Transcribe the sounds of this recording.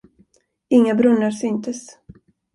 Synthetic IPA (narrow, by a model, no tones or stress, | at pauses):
ɪŋːabɾɵnːəɾsʏnt̪ʰəs